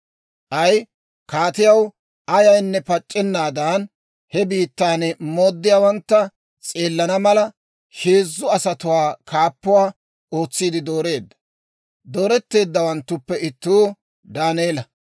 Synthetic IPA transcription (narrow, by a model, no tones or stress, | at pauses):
ʔɐj | kaːt̪ɪjɐw | ʔɐjɐjnːɛpɐt͡ʃʼːɛnːaːd̪aːn | hɛbiːt̪ːaːnmo̞ːd̪ːɪjaːwɐnt̪ːɐ | t͡sʼe̞ːlːɐnɐmɐlɐ | ʃeːzːʊɐsɐt̪ʊwaːkʰaːpːʊwaː | o̞ːt͡sːiːd̪ɪd̪o̞ːɾe̞ːd̪ːɐ̥ | d̪oːɾɛt̪ːe̞ːd̪ːɐwɐnt̪ːʊpːɛɪt̪ːuː | d̪aːneːlɐ